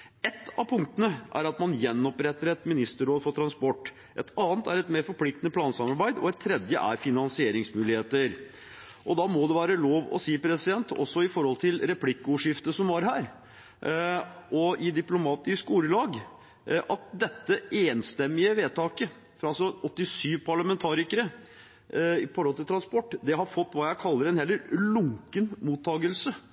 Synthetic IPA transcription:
ɛt̪ːɑpʰʊŋkt̪ənəʔæ̰ɾɑt̪mɑnjɛnːɔpɾɛt̪ːəɾɛt̪mɪnɪst̪əɾoːd̪fɔʈʰɾɑnspɔʈː | ʔɛ̰t̪ɑːnt̪æɾɛt̪meɾfɔɾpʰlɪkt̪ənəpʰlɑːnsɑmɑɾbæɪd̪ɔ̰ɛt̪ʰːɾɛd̪jə̰ʔæ̰ɾfɪnɑnsɪeːɾɪŋsmʉːlɪheːt̪əɾ | ʔɔd̪ɑmɔd̪ɛʋæːɾəloːʋɔ̰siːpʰɾɛsɪd̪ɛnt̪ʰɔ̰sːɔɪfɔɾhɔlt̪ʰɪlɾɛpʰlɪkːəʊːʂɪft̪əsɔmʋɑɾhæːɾ | ʔɔɪd̪ɪplʊmɑːt̪ɪskuːɾəlɑːɡ | ʔɑt̪̚d̪ɛt̪ːəʔeːnst̪ɛmːɪəʋeːt̪ʰɑːkə | fɾɑlsɔɔt̪ːɪsyːʋpʰɑɭɑmɛnt̪ʰɑːɾɪkəɾə | ɪfɔɾhɔlt̪ʰɪlt̪ʰɾɑnspɔʈːd̪ɛhɑɾfɔt̪ːʋɑːjæɪkʰɑlːəɾɛnhɛlːəɾlʊŋkənmuːt̪ʰːɑːɡəlsə

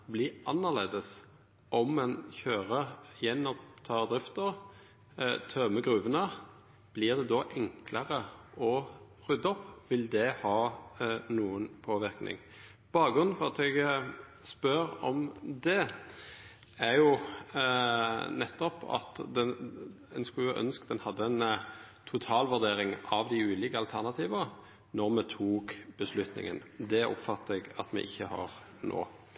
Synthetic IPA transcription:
bliɑnːəʁleːd̪əs | ʔɔmɛnçøːɾəjɛnːɔt̪ʰɑːʁd̪ɾɪft̪əɾ | t̪ʰøːməɡʁʉːʋənə | b̥liːʁd̪ɛd̪ɔʔɛŋkləʁəɔ | ʁʉd̪ɔpːʋɪld̪ɛhɑːnuːənpʰoːʋɪɾknɪ̰ŋ | b̥ɑːɡɡʁʉn̩fɔʁɑt̪ɛɡ | spœɾɔmd̪ɛ | æɾjʊ | nɛt̪ːɔpɑ̰t̪d̪ɛ | ɛnskʉlʔœ̰nskd̪ɛnhɑd̪ːəɛnt̪ʰʊt̪ʰɑːlʋʉʁd̪eːɾɪŋɑʋd̪ɪʉːliːkəɑlt̪ʰæʁnɑt̪ʰiːʋə | nɔʁmɛt̪ʰuːkb̥əslʉt̪nɪ̰ŋə̰nd̪ɛʔɔ̰pfɑt̪ːəɛɡɑt̪mɛ̰ʔɪçːəhɑ̰ʁno̰ː

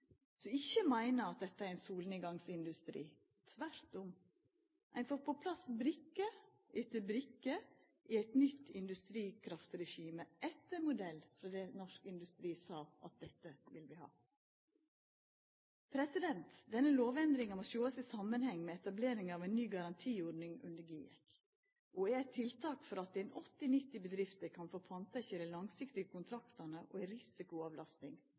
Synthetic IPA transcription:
sɔɪçəmæɪnəɾɑt̪̚d̪ɛt̪ːəæɾæɪnsuːlnəɡɑŋsɪnd̪ʉst̪ɾḭː | t̪ʰʋæɾt̪ʊm | ʔæ̰ɪnfɔɾpʰɔpʰlɑsbɾɪkːə | ʔɛt̪əbɾɪkːə | ʔɪɛɪt̪nʏt̪ːɪnd̪ʉst̪ɾiːkʰɾɑft̪ɾɛʃiːməʔɛt̪ːəɾmʊd̪ɛlːfɾɑd̪eːnɔʂkɪnd̪ʉst̪ɾiːsɑːʔɑ̰t̪̚d̪ɛt̪ːəʋɪlʋɪhɑ̰ː | pʰɾɛsɪd̪ɛnt̪d̪ɛnːəloːʋɛnd̪ɾɪŋɑmoʃoːəsɪsɑmənhɛŋːmɛɛt̪ɑbleːɾɪŋɑːʋɛːnnyːɡɑɾɑnt̪ʰiːɔɖnɪŋʉ̰nd̪əɾɡiːɛ̰k | ʔɔɛæt̪ʰɪlt̪ʰɑːkfɔɾɑt̪̚d̪ɛɛnʔɔt̪ːɪnɪt̪ːɪbəd̪ɾɪft̪əɾkʰɑnfoːpʰɑnsɛçəɾəlɑŋsɪkt̪ɪɡəkʰʊnt̪ʰɾɑkt̪ɑnəʔɔ̰ɛɾɪsɪkʊɑʋlɑst̪nɪŋ

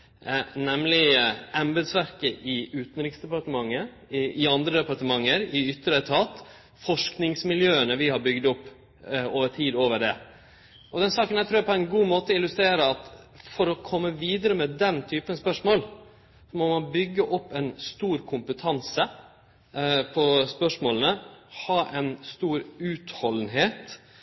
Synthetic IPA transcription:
nɛmlɪʔɛmbəd̪sʋæɾkəʔɪʉːt̪ən̩ɾɪksd̪ɛpɑɾʈ̪əmɑŋːə | ɪɪɑnd̪ɾəd̪ɛpɑɾʈ̪əmɑŋːəɾɪʏt̪ːəɾət̪ʰɑt̪ | fɔʂknɪŋsmɪljøːənəʋɪhɑɾbʏɡd̪ɔpː | oːʋəʈʰiːd̪oːʋəɖɛ̰ | ʔɔd̪ɛnsɑːkənæɪt̪ʰɾʉːæpʰɔænɡuːmoːt̪əɔɪlʉst̪ɾeːɾəɑt̪ | fɔɾɔkʰɔmːəʋiːd̪əɾəmɛd̪ɛnt̪ʰyːpənspœʂmoːl | sɔmomɑnbʏɡːəʔɔpːɛnst̪uːɾkʰʊmpət̪ʰɑnsə | pʰɔspœʂmoːlnəhɑːʔɛɪnst̪uːɾʉːt̪hɔlən̩ɦeːt̪

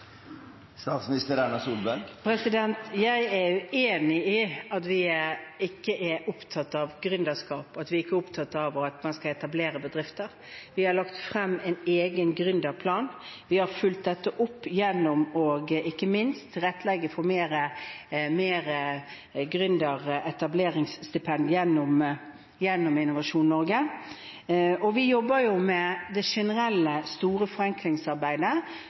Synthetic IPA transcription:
st̪ɑːt̪smɪnɪst̪əɾæɳɑsuːlbæɾɡpʰɾɛsɪd̪ɛnt̪jæɪæɾjʉeːnɪɪɑt̪ʋɪɪkːəʔɛʊpt̪ʰɑt̪ːɑʋɡɾʉnd̪əskɑːpɑt̪ʋɪɪkːəʊpt̪ʰɑt̪ːɑʋɔɑt̪mɑnskɑɛt̪ɑbleːɾəbəd̪ɾɪft̪əɾ | ʋɪhɑɾlɑkt̪fɾɛmːɛɪneːɡənɡɾʉnd̪ɑpʰlɑːnʋɪhɑɾfʉlt̪̚d̪ɛt̪ːəʔʊpːjɛnːɔmɔɡɪkːəmɪnst̪ʰːɪlɾɛt̪ːlɛɡəfɔɾmeːɾəmeːɾə | ɡɾʏnd̪əʁɛt̪ɑbleːɾɪŋsːt̪ɪpʰɛnd̪ɪjɛnːɔm | jɛnːɔmɪnʊʋɑʂuːnnɔɾɡə | ɔʋɪjɔbːəɾjʊmɛd̪ɛʂɛnəɾɛlːəst̪uːɾəfɔɾɛŋklɪŋsɑɾbæɪd̪ə

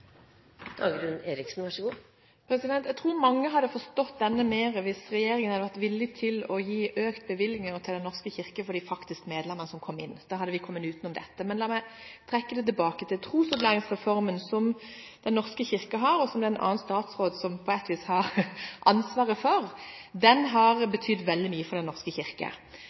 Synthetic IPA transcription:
d̪̥ɑ̰ːɡəɾʉneːɾɪksn̩ʋɑʂəɡuː | pʰɾɛsɪd̪ɛnt̪jæɡ̚t̪ʰʁuːɾmɑŋːəɦɑd̪əfɔst̪ɔt̪d̪ɛnːəmeːɾəʋɪsɾɛjeːɾɪŋənhɑd̪əʋæʁt̪ʋɪlːɪt̪ʰɪlɔjiːʔøːkt̪̚bəʋɪlːɪŋəʁt̪ʰɪld̪ɛnːɔʁskəçɪʁkəfɔd̪ɪfɑkt̪ɪskmeːd̪lɛmːənəsɔmkʰɔmːɪnːd̪̥ɑːɦɑd̪ːəʋɪkʰɔmːət̪ʉːt̪nɔmd̪ɛ̰t̪ːəmɛnlɑːmæɪt̪ʰɾɛkːəd̪ɛt̪ɪlbɑːkət̪ʰɪlt̪ʰɾuːsɔplæʁɪŋsʁɛfɔɾmənsɔmd̪̥ɛnnɔʁskəçɪʁkəɦɑɾɔsɔmd̪ɛnʔɑ̰ːnst̪ɑːt̪sʁoːd̪sɔmpʰɔɛt̪ːʋiːshɑɾʔɑnsʋɑːʁəfɔɾd̪ɛnɦɑɾbət̪ʰʏd̪ːʋɛld̪ɪmyːəfɔʁd̪ɛnːɔʁskəçɪʁkə̰

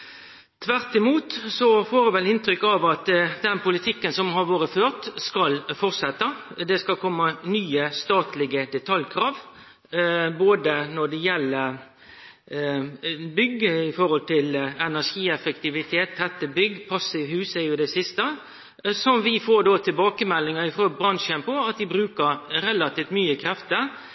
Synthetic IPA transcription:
t̪ʰʋæʁt̪ɪmuːt̪sɔfoːɾɛʋɛlɪnt̪ɾʏkːɑʋɑt̪d̪ɛnpʰʊlɪt̪ʰɪkːənsɔmɦɑɾʋoːɾəføːʁt̪skɑlfɔʁsɛt̪ːəd̪ɛskɑlkʰɔmːɑnyːəst̪ɑːt̪lɪɡəd̪ɛt̪ʰɑljkʰɾɑːʋ | boːd̪ənɔɖɛjɛlːəɾ | bʏɡːɪfɔɾɔlt̪ʰɪlɛnæʂiːɛfəkt̪ɪʋɪt̪ʰeːt̪t̪ʰɛt̪ːəbʏɡːpʰɑsːɪʋhʉːsæɾjʊd̪ɛsɪst̪ə | sɔmʋɪfoːɖoːt̪ʰɪlbɑːkəmɛlːɪŋəɾɪfɾoːbɾɑnʂənpɔɑt̪ʋɪbɾʉːkəɾɾɛlɑt̪iːft̪myːəkʰɾɛft̪əɾ

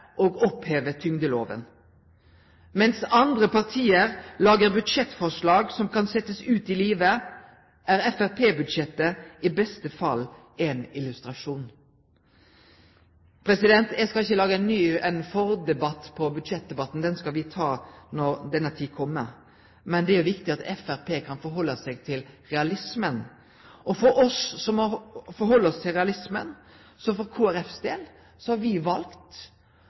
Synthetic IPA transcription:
ʔoːɡɔpheːʋət̪ʰʏŋd̪əloːʋə̰n | mɛnsɑnd̪ʁəpɑʁt̪ʰiːəʁlɑːɡəʁbʉd̪ʂɛt̪fɔʁʂlɑːɡsɔmkʰɑnsɛt̪ːəsʉːt̪ɪliːʋə | æʁɛfæʁpʰeːbʉd̪ʃɛt̪ːəɪbɛst̪əfɑ̰lː | ɛːnɪlʉst̪ɾɑʂuːn | pʰʁɛsɪd̪ɛnt̪jɛɡskɑɪçːəlɑːɡəɛnnːyːɛnfɔɾd̪ɛbɑt̪ːpʰɔbʉd̪ʂɛt̪̚d̪ɛbɑt̪ːn̩d̪ɛnskɑlʋɪt̪ʰɑːnɔɾd̪ɛnːət̪ʰiːkʰɔmːə | mɛnd̪ɛæɾjʊʋɪkt̪ɪɑt̪ɛfæɾpʰeːkʰɑnfɔɾɦɔlːəsɛɡt̪ʰɪlɾɛɑlɪsmən | ɔfɔɾɔsːɔmɔfɔɾɦɔlːəɔst̪ʰɪlɾɛɑlɪsmən | sɔfɔɾkʰuːæɾɛfsd̪eːl | sɔhɑɾʋɪʋɑlkt̪

